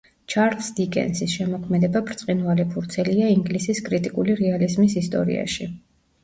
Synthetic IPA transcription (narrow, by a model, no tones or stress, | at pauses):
t͡ʃʰaɾlˠsd̪ikʼɛ̰nsisʃɛmɔkʰmɛd̪ɛbabɾt̪sʼqʼinvalipʰuɾt̪sʰɛliaiŋɡlisiskʼɾit̪ʼikʼuliɾɛalizmisist̪ʼɔ̰ɾḭa̰ʃi